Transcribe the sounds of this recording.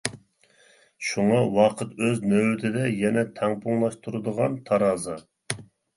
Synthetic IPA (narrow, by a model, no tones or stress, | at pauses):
ʃuŋɑwɑqʰət̪øznøwt̪ʰɪd̪ɛjɛnɛt̪ʰɛŋpʰuŋlˠɑʃt̪ʰuɾɨd̪əʁɑnt̪ʰɑɾɑːzɑ